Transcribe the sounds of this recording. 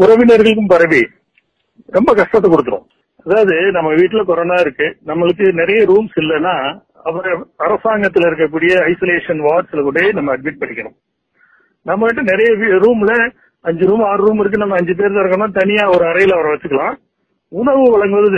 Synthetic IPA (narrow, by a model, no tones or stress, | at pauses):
ʊɾɐʋɪnɐɾɣɐɭɯk̬ːɯmpɐɾɐʋi | ɾɛmbɐkɐʂʈɐt̪̬ːɐkʊɽɯt̪ːɯɾõ̰ː | ɐðaːʋɐðɯnɐmːɐʋiːʈːɪlɐkɔɾoːnaːɪɾɯkːɯnɐmːɐɭɯk̬ːɯnɪɾɐjɐɾuːmsɪlːɐnːaː | ɐʋɐɾɐɐɾɐsaːŋɡɐt̪ːɪlɪɾɯk̬ːɐk̬ːuːɽɪjɐɐɪsoːleːʂɐnʋaːʈsɪlɐkuːɽenɐmːɐɐɖ̚mɪʈ̚pɐɳɪkːɐnʊ̰̃ | nɐmːɐʋɐʈːɐnɪɾɐjɐʋɾuːmlɐ | ɐɲd͡ʒɯɾuːmaːɾɯɾuːmɪɾɯkːɯnɐmːɐɐɲd͡ʒɯp̬eːɾðaːɪɾɯŋɡɐɾɐnːaːt̪ɐnɪjaːɔɾɯɐɾɐjɪlɐʋɐɾɐ̃ʋɐt͡ʃːɯkːɐɭãː | ʊɳɐʋɯʋɐɭɐŋɡɯʋɐðɯ